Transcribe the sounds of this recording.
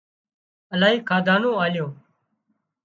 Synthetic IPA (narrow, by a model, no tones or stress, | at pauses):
əlaːɦiːkʰaːd̪ʱaːnõːaːljõː